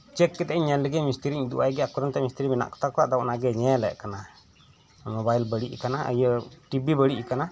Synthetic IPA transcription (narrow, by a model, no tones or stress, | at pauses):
t͡ʃɛkːɛt̪ɛʔɛɲːɛnləɡɛmist̪əɾiɲd̪ṵʔajɡɛakɔɾənt̪ɛmist̪ɾimɛna̰ʔkɔ̥t̪akɔwaʔd̪awʔnaɡɛɲɛlɛ̰ʔkana | mɔbajlbəɽiʔkanaə̰jəʈibibəɽiʔkana